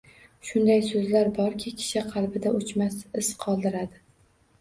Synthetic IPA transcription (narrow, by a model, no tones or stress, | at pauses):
ʃʊnd̪ajsɵzlaɾbɒɾkʲʰɪkʲʰɪ̥ʃɪqʰɑlˠbɪd̪aʊt͡ʃmasɪsqʰɒlˠd̪ɪɾad̪ɪ